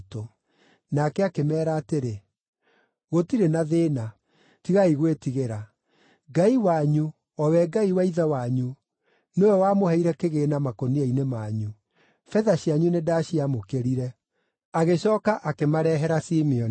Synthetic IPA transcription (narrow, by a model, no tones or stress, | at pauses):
to | nakɛakemɛːɾaːteɾe | ɣotiɾenaðeːna | tiɣaiɣwetiɣeɾa | ɡaiwaɲu | ɔwɛɡaiwaiðawaɲu | noɛwamohɛiɾɛkeɣeːnamakoniainemaɲu | fɛðaɕiaɲunedaɕiamokeɾiɾɛ | aɣeɕɔːkaʔakemaɾɛɦɛɾasimiɔn